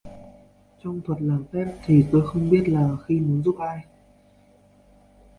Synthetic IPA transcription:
t͡ɕɔ˧wŋ͡mt̪ʰwə˨˩t̚laː˨˩mfɛ˦˥p̚t̪ʰi˨˩t̪o˧jxə˧wŋ͡mɓi˦˥ət̚laː˨˩xi˧mu˨˦nzu˦˥p̚ʔaː˧j

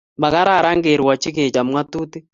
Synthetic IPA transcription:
ba˨ɣa˦ɾa˨ɾa˦ŋɡe˨ɾwa˨t͡ʃi˦ɣe˨t͡ʃa˨mwa˦tu˦ti˦

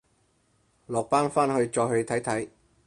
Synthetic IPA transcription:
lɔː˨˩k̚paː˥nfaː˥nhɵ˧ɥt͡ʃɔː˧jɦɵ˧ɥt̪ʰɐ˨˥jt̪ʰɐ˨˥j

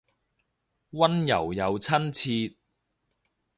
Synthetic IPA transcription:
wɐ˥njɐ̰˨˩wjɐ˨˧wt͡sʰɐ˥nt͡sʰiː˧t̚

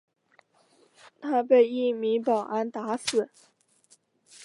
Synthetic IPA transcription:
t̪ʰa˥p̬e˥˧ɪi˥˩mi˧˥pɑ˨˩ʊʔa˧˥nt̪a˧˥sɹ̩˨˩˦

